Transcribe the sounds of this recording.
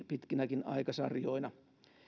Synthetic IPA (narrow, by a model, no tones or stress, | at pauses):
pit̪kinækinɑ̰ikɑsɑ̰rjoinɑ